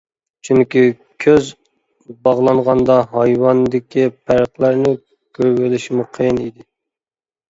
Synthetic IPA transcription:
t͡ʃʰyŋkʲi | kʲʰøz | bɑʁlˠɑɴʁɑnd̪ɑɦɑjwɑnd̪ɪkʲʰipʰæɾqlˠæɾnɪ | kʲʰøɾɡelɪʃmuqʰejnid̪ɪ

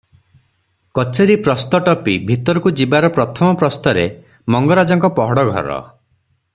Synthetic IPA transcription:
kɔt͡ʃʰeɾipɾɔst̪ɔʈɔpibʱit̪ɔɾɔkud͡ʒibaɾɔpɾɔt̪ʰɔmɔpɾɔst̪ɔɾḛ | mɔŋɡɔɾad͡ʒɔŋkɔpɔɦɔɽɔɡʱɔ̰ɾɔ̰

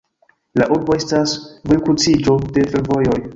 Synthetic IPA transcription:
laʔuɾbo̞e̞stasvojkut͡sid͡ʒo̞de̞fe̞ɾvo̞jo̞j

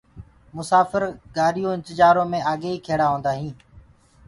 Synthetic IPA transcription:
mʊsaːfəɾɡaːɾijõːɪ̃nt̪əd͡ʒaːɾõːmẽːaːɠeːiːkʰeːɽaːɦõːnd̪aːɦĩː

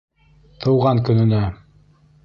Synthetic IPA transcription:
t̪ʰɤ̆wʁɑŋkɵ̆nɘ̆næ

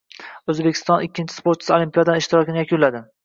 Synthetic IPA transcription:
ɵzbekʲʰɪ̥st̪ɒnɪkʲːɪnt͡ʃʰɪ̥spoɾt̪t͡ʃɪ̥solimpijad̪anɪʃt̪ɪɾɒkʲɪnɪjakʰʲʊnlad̪ɪ

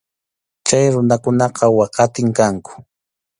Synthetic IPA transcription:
t͡ʃajɾʊnakʊnɑqɑwɑqɑt̪ɪŋkaŋkʊ̥

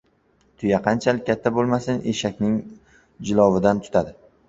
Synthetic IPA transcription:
t̪ʰʊjaqʰɑnt͡ʃʰalɪat̪ʰːabolˠmasɪnʔe̞̰ʃakʲnɪŋ | d͡ʒɪlˠɒwɪd̪ant̪ʰʊ̥t̪ʰad̪ɪ

